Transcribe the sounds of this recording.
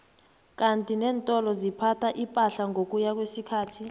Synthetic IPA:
k̬ʼantʼinɛːntʼɔlɔzipʰatʰaʔipʼaɬaŋʱok̬ʼujak̬wesikʰaːtʰi

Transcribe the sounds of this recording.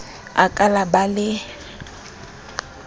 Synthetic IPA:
a̰kʼalabalɪ

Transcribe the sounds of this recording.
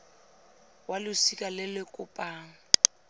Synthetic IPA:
walʊsikʼalɪlɪkʼʊpʼaːŋ̩

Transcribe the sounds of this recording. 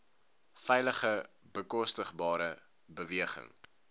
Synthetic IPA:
fɛjləχə | bəkɔstəχbɑːɾə | bəviəχə̰ŋ

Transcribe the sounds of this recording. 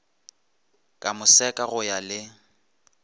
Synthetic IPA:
kʼamʊsɛkʼaɣʊjalɪ

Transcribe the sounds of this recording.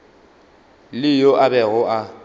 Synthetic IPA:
lɪjoʔabɛɣʊʔa

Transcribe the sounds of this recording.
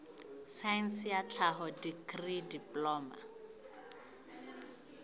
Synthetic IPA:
saɛnsjat͡ɬʰaɦɔdikridipʼlɔːma̰

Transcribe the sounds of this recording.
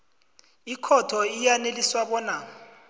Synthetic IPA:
ikʰɔtʰɔijaneliswaɓɔːna

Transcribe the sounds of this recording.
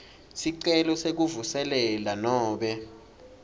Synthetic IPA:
siǀɛlɔsek̬uvusɛlɛlanɔːɓɛ

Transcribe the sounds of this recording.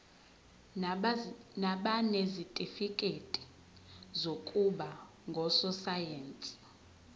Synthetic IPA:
naɓanezitʼifikʼetʼi̥ | zokʼuɓa | ŋɡʱɔsɔsajeːnt͡sʼi̥

